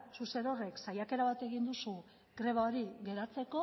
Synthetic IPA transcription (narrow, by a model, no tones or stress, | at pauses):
suse̞no̞re̞ksajake̞ɾaβat̪e̞ɣind̪usu | ɡ̥ɾe̞β̞aoɾiɡe̞ɾat͡se̞ko̞